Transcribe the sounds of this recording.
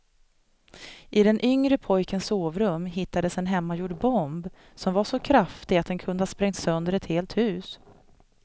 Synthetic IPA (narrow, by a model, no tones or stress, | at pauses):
ʔɪd̪ɛnʔʏŋɾəpʰɔjkənsoːvɾɵmːɦɪt̪ːad̪əsɛnɦɛmːajuːɖbɔmb | sɔmvaʂɔkʰɾaft̪ɪɡat̪̚d̪ɛnkʰɵnd̪əhaspɾɛŋt̪sœnd̪əɾɛt̪heːlt̪hʉ̟ːs